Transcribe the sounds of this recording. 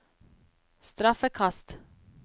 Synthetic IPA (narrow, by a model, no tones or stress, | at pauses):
st̪ɾafɛkʰast̪